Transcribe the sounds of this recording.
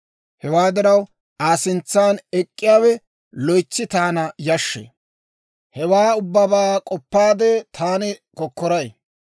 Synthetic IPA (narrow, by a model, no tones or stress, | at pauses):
hɛwaːd̪ɪɾɐw | aːsɪnt͡sːaːnɛkʼːɪjaːwɛ | lɔjt͡ʃːɪt̪aːnɐjɐʃːḛ | hɛwaːʊbːɐbaːkʼɔpːaːd̪ɛt̪ʰaːnɪkɔkːɔɾɐj